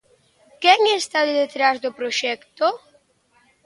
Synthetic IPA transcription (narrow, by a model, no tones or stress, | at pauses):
kɛŋest̪aððet̪ɾazd̪opɾoʃɛkt̪o